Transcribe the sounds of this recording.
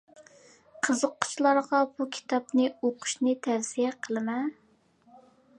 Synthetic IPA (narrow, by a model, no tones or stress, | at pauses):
qʰəzəqːʊ̥t͡ʃʰlˠɑɾʁɑbukʲʰi̥t̪ʰɑpnɨoqʰʊ̥ʃnɨt̪ʰæɾsijɛqʰəlˠɨmɛ